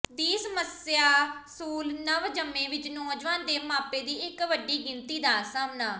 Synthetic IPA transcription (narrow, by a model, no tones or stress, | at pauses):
d̪iːsəməsjaːsuːlnəʋd͡ʒəmːẽːʋɪt͡ʃnõd͡ʒʋaːnd̪eːmãːpeːd̪iːɪkʋəɖiːɡɪnt̪iːd̪aːsaːmnãː